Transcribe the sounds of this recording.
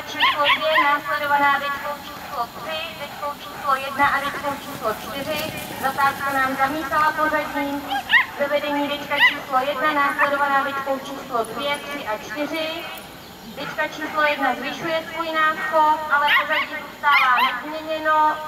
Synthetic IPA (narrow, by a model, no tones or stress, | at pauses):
t͡ʃiːslodvjɛnaːslɛdo̞vanaːdɪt͡ʃkowt͡ʃiːslot̪r̥ɪdɛckowt͡ʃiːslojɛdnaʔadɛckowt͡ʃiːslot͡ʃt̪ɪr̝ɪ | zat̪aːskanaːmzamiːk̪alapo̞zaɟiːzɛvɛdɛɲiːdɛt͡ʃkat͡ʃiːslo̞jɛdnanaːslɛdo̞vanaːvɪt͡ʃkowt͡ʃiːslodvjɛt̪r̥ɪʔat͡ʃt̪ɪr̝ɪ | d̪ɛt͡ʃkat͡ʃiːslo̞jɛdnazvɪʃujɛsvujɪnaːspoʔalɛpozaɟizust̪aːvaːnɛzmɲɛɲɛno